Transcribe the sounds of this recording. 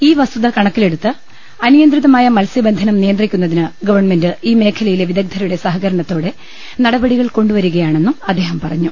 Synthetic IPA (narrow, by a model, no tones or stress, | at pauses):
iːʋɐst̪uðɐkɐɳɐkːile̞ɽut̪ːɨ | ɐnijɐnd̪riðɐmaːjɐmɐlsjɐbend̪ʱɐnɐmnijɐnd̪rikʲːunːɐðinɨɡɐʋɐrɳme̞ndɨiːme̞ːkʰɐlɐjileʋiðɐɡ̚d̪ʱɐɾɐjuɽe̞sɐɦɐɣɐɾɐɳɐt̪ːo̞ːɽe̞ | nɐɽɐbɐɽiɣɐɭko̞ɳɖuʋɐɾuɣɐjaːɳe̞nːumɐd̪ʱːe̞ːɦɐmpɐrɐɲːu